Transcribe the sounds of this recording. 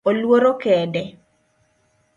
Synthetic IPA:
olwoɾokɛdɛ

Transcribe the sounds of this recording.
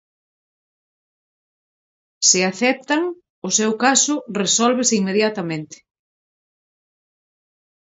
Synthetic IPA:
sɪaθɛp̚t̪aŋ | ʊsewkasʊresɔlβesɪiŋmeðjat̪amẽnt̪ɪ̥

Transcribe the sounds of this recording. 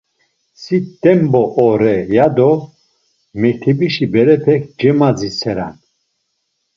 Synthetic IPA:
sid̪̥ɛmbɔʔːɾɛjad̪ɔ | mɛk̚t̪ʰɛbiʃibɛɾɛpʰɛk̚ʰd͡ʒɛmad͡zisʰɛɾa̰n

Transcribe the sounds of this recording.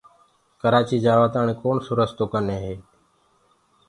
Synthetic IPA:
kəɾaːt͡ʃiːd͡ʒaːʋəːt̪aːɳeːkoːɳsoɾəst̪oːkəneːɦeː

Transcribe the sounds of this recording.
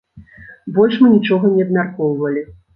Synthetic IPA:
bɔlʲʂmɨnʲit͡ʂɔɣɐnʲɛɐbmʲarkɔwvɐlʲi

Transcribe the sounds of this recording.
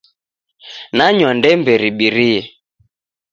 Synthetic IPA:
naɲwandɛmbɛɾiɓiɾiɛ

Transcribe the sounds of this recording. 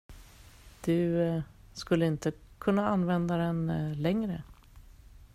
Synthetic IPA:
d̪̥ɵ | skɵlːəɪnt̪əkʰɵnːaanvɛnd̪ad̪ɛnlɛŋɾə

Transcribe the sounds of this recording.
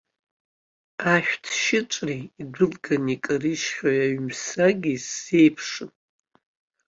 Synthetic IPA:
aʃᶣtʰʃɪʈ͡ʂʷʼriːdʷɨlɡanikʼariʃχʲᶣajaɥmsaɡʲise̞jpʰʂɨn

